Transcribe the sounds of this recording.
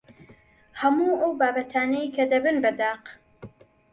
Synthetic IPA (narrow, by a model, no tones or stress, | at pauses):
hɐmuʔɐwbaːbɐt̪ʰaːnɛikʰɐd̪ɐbɨnbɐd̪aːq